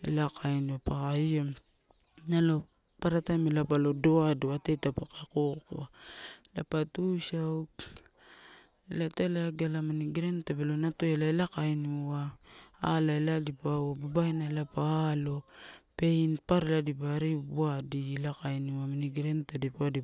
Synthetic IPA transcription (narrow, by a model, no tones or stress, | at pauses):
ḛlakajnuapakaio | nalo̞ | paɾatamelapalo̞doadoatetapakakokoalapatusaw | elatelaɡalamaniɡɾentabelonatoelaelakajniwaː | laeladipawababajnaelapaːlo̞pe̞inpaɾeladipaɾibuadilakajnuaminiɡɾentadipuadi